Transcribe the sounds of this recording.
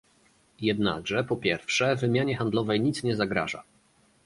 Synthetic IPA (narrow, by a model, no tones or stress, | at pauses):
jɛd̪na̰ɡʐɛpɔpʲjɛɾfʂɛvɘmʲjaɲɛxand̪lɔvɛjɲit̪sɲɛzaɡɾa̰ʐa̰